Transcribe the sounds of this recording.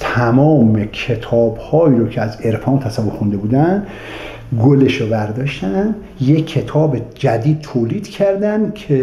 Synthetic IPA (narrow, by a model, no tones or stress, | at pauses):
t̪ʰæmɒːmekʰe̞t̪ʰɒːbhɒːiːɾocʰeæze̞ɾfɒːnt̪ʰæsævoɾxund̪e̞buːd̪æn | ɡoleʃovæɾd̪ɒːʃt̪æn | jekʰːe̞t̪ʰɒːbed͡ʒæd̪iːd̪̥̚t̪ʰoːliːd̪̥cʰæɾd̪ænkʰe